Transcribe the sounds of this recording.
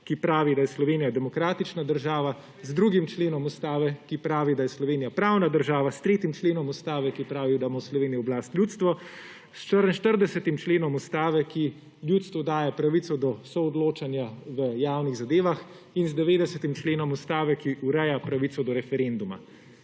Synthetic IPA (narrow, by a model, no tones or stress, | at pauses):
kipɾaːʋid̪ajɛslɔʋeːnijad̪ɛmɔkɾaːt̪it͡ʃnad̪əɾʒaːʋa | zd̪ɾuːɡimt͡ʃleːnɔmust̪aːʋɛkipɾaːʋid̪ajɛslɔʋeːnijapɾaːwnad̪əɾʒaːʋast̪ɾeːt̪imt͡ʃleːnɔmust̪aːʋɛkipɾaːʋid̪amawslɔʋeːnijiɔblaːst̪lʲjuːt̪st̪ʋɔ | st͡ʃəɾʃt̪əɾd̪ɛsɛt̪imt͡ʃleːnɔmust̪aːʋɛki | lʲjuːt̪st̪ʋɔd̪aːjapɾaʋit̪sɔd̪ɔsɔːd̪loːt͡ʃanjaʋəjaːwniɣzad̪eːʋax | inzd̪ɛʋeːd̪ɛsɛt̪imt͡ʃleːnɔmust̪aːʋɛkiʔuɾɛjapɾaʋit̪sɔd̪ɔɾɛfɛɾend̪uma̰